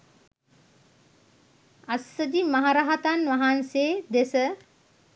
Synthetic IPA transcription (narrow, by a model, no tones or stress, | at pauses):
ɐsəd̪imaɦaɾaɦat̪anʋɐɦanseːd̪esə